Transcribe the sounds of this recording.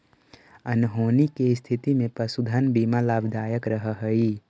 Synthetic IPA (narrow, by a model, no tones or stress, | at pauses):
ənɦoːnikest̪ʰit̪imẽpəsud̪ʱənbiːmalaːbd̪aːjəkɾəɦəɦəi